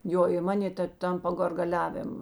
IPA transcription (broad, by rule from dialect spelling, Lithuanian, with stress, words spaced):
ˈjoː ɪ ˈmɑːnʲeː tɐ ˈtʲɛn poː ɡɐrɡɐˈlʲæːʋʲeːm